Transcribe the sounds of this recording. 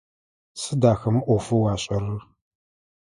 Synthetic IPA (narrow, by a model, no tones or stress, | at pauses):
sɨdaːxɐmʔʷɔfɨwɑːɕʼɐrɨ